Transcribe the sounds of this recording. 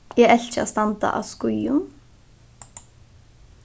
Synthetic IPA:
jɛɛlt͡ʃɪa̰st̪ɑnt̪a̰ʔa̰skʊjʊn

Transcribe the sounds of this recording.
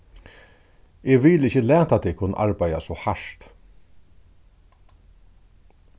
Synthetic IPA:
ɛɣʋɪːlɪçəlæːt̪at̪ːɛkʰʊnːəʔa̰ɹpaj̪a̰sɔhaʂt̪

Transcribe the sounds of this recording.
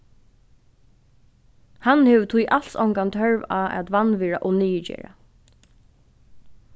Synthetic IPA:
hanhɛːʋt̪ʰujʔal̥sɔ̰wŋkant̪ʰœɹʋaːʔæ̰t̪ʋanʋɛɹa̰ʔɔniːəd͡ʒɛ̰ːɹa̰

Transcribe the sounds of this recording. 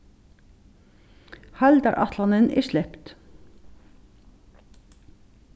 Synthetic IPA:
hɑld̪ɑ̰ɾʔɑ̰t̪ʰlɑnənʔɪ̰ʃlɛpt̪

